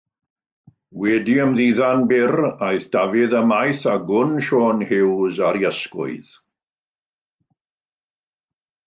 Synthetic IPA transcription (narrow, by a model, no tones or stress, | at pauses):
wɛdiəmðiːðanbɪrajθd̥avɪðəmajθaɡʊnʃoːnhɪwzaɾjəskʊ̰ɨð̥